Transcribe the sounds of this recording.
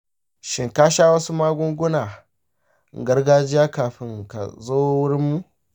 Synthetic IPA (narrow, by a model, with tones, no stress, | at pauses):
ʃɪ˨ŋkaː˦ʃaː˦wɐ˦su˦maː˦ɡʷʊ˦ŋɡʷʊ˦naː˨ | ɡɐ˦rɡaː˦d͡ʒɪ˦jaː˦kaː˨ɸɪ˦ŋka̰˨zoː˦wʊ˦ɾɪ˦mːu˦